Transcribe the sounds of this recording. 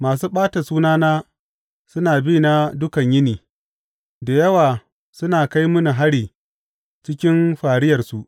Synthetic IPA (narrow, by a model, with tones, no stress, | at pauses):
maː˨s̬uː˦ɓaː˦ta˨suː˦naː˦naː˦ | sʊ˦naː˨biː˦na˦dʊ˦kɐ˨ɲjɪ˦niː˨ | da˨jɐ˦waː˨ | sʊ˦naː˨ka˦jmʊ˦nu˨ɦa˦ɽiː˨ | t͡ʃɪ˦kʲɪ˦mɸaː˨ɽɪ˦jɐ˨rsu˨ʔ